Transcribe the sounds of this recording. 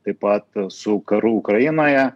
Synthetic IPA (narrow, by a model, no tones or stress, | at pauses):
t̪ɐpɑt̪sukɐɾuʊkɾɐjinojɐ